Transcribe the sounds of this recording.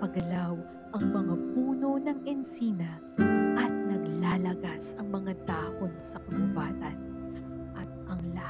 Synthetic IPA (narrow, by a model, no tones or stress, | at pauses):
pɐɡɐlaw | ʔɐŋmɐŋapuːno̞nɐŋɛnsiːnɐ | ʔɐt̪̚nɐɡlaːlɐɡasɐŋmɐŋad̪aːʔonsɐkɐlʊbaːt̪ɐn | ʔɐt̪̚ʔɐŋla